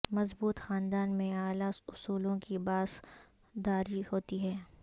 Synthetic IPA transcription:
mɐzbuːt̪xaːnd̪aːnmẽaːlaʊsuːlõkibaːz | d̪aːɾihoːt̪iɦɛː

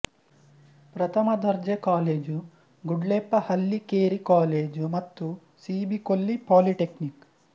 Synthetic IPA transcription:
pɾɐt̪ʰɐmɐd̪ɐɾd͡ʒekaːleːd͡ʒu | ɡuɖleːpːɐhɐlːikeːɾikaːleːd͡ʒumɐt̪ːu | siːbikolːipaːliʈeknik

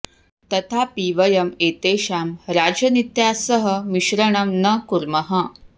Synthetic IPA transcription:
t̪ɐt̪ʰapiʋəjɐmeːt̪eːɕaːmɾaːd͡ʑɐnit̪jasəɦəmiɕɾəɳɐmnəkuɾməɦə

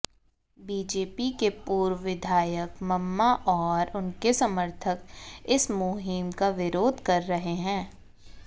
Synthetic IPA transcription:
biːd͡ʒeːpikepuːɾʋɪd̪ʱaːjəkmɐmːaʔɔːɾʊnkesɐməɾt̪ʰəkɪsmoɦɪmkaʋɪɾoːd̪ʱkɐɾːɐɦeɦɛ̃ː

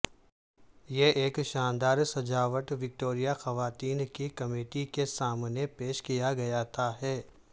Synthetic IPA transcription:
jeʔeːkʃaːnd̪aːɾsɐd͡ʒaːʋəʈʋɪk̚ʈoːɾijaxɐʋaːt̪iːnkikɐmeːʈikesaːmnepeːʃkijaɡɐjat̪ʰaɦɛː

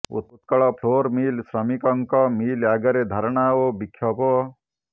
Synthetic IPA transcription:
ṵt̪̚put̪kɐɭɔpʰloːɾmiːlsɾɐmikɔŋkɔmiːljaːɡɐɾed̪ʱɐɾɳaobikʰːjɔpɔ

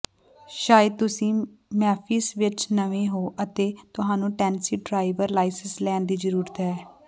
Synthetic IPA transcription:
ʃaːjəd̪̚t̪ʊsĩːmɛːpʰiːsʋɪt͡ʃnəʋẽːɦoːʔət̪eːt̪ʊɦaːnũːʈɛːnsiːɖɾaːɪʋəɾlaːɪsənslɛːnd̪iːd͡ʒəɾuːɾət̪ɦɛː

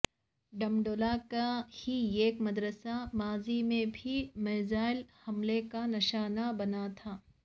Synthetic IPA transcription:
ɖɐmɖoːlakahieːkmɐd̪ɾəsamaːzimẽbʱimeːzaːɪlhɐmlekanɪʃaːnabɐnat̪ʰaː

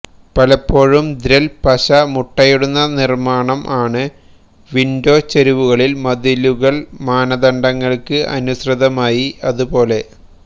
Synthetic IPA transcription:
pɐlɐpːo̞ːɻumd̪ɾɐlpɐɕɐmuʈːɐjuɽunːɐnirmaːɳɐmʔaːɳɨ | ʋindo̞ːt͡ɕɐɾiʋuɣɐɭilmɐðiluɣɐɭmaːnɐðɐɳɖɐŋːɐɭkɨʔɐ̰nusrɨðɐmaːjiɐðupo̞ːle̞

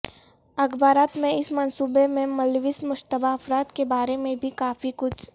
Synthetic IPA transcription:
ɐɡbaːɾaːt̪mẽɪsmɐnsuːbemẽmɐlʋɪsmʊʃt̪əbaɐfɾaːt̪kebaːɾemẽbʱikaːfikʊt͡ʃʰ

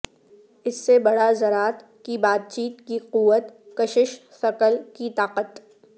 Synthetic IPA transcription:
ɪsːebɐɽazɐɾaːt̪ | kibaːt̪̚t͡ʃiːt̪kiquːət̪kɐʃɪʃsɐkəlkit̪aːqət̪

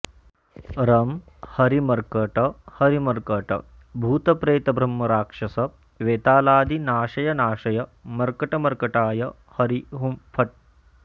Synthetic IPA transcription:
ɾɐm | hɐɾimɐɾkɐʈɐhɐɾimɐɾkɐʈɐ̰ | bʱuːt̪ɐpɾeːt̪ɐbɾɐmːɐɾaːkʂɐsɐ | ʋeːt̪aːlaːd̪inaːʃɐjɐnaːʃɐjɐmɐɾkɐʈɐmɐɾkɐʈaːjɐ | hɐɾiɦumpʰɐʈ̚

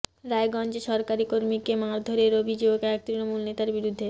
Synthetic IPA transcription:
ɾaeɡɔnd͡ʑeʃɔɾkaɾikoɾmikemaɾd̪ʱoɾeɾobʱid͡ʑoɡɛk̚t̪ɾinomulnet̪aɾbiɾud̪ʱːe

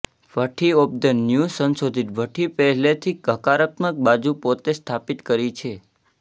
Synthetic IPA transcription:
ʋʱəʈʰiop̚d̪ənjusənsod̪ʱit̪ʋʱəʈʰipɛɦlet̪ʰikəkaɾət̪mək̚bad͡ʒupot̪est̪ʰapit̪kəɾit͡ʃʰe

